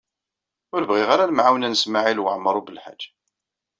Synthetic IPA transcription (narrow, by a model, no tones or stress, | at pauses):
ʊɾvʁiʁaɾalmʕawnænəsmaʕilwəʕməɾˤubəlħa̰̥d͡ʒː